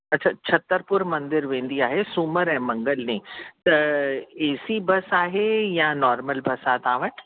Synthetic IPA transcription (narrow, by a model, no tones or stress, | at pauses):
ɐtːʃʰaːt͡ɕʰɐt̪ːəɾpʊɾmɐ̃nd̪ɪɾʋẽːn̆d̪iaːɦesuməɾɛ̃ːmɐ̃ŋɡəlnĩːt̪ɐeːsibɐsaːɦejãnɔːɾməlbɐsaːt̪aːʋəʈ